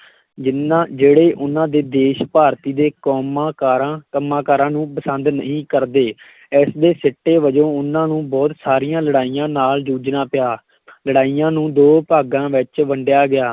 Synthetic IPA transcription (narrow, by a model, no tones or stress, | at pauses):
ɪãd͡ʒeːɽeːʔʊnãːd̪eːd̪eːʃpaːɾt̪iːd̪eːkɔːmãːkaːɾãːkəmːãːkaːɾãːnũːpəsənd̪nə̰ɦĩːkəɾd̪eː | ɪsd̪eːsɪʈːeːʋəd͡ʒõːʊnãːnũːbɔːt̪saːɾijãːləɽaːiːjãːnaːld͡ʒuːd͡ʒnãːpɪjaː | ləɽaːiːãːnũːd̪oːpaːɡãːʋɪt͡ʃʋəɳɖjaːɡɪjaː